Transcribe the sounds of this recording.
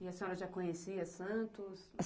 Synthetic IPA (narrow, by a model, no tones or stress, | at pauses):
ɪɐsẽɔɾɐʒakõɲesiɐsɐ̃nt̪ʊs